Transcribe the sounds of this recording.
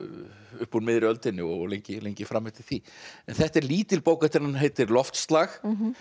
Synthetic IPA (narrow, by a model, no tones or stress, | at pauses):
ʏhpunmɪðɾɪœlt̪ɪnːɪɔlejɲcɪlejɲcɪfɾamːet̪ɪ̥θiɛ̰nθɛht̪ɛɾliːt̪ɪlpoːwkat̪ɪɾnanɦejt̪ɪɾlɔft̪st̪lax